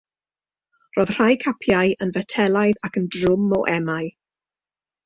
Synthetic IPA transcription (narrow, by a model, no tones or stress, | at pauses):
rɔːð̥r̥ajkʰapʰjaɨənvɛtʰɛlˠaɨðakəndrʊmɔʔɛmaɨ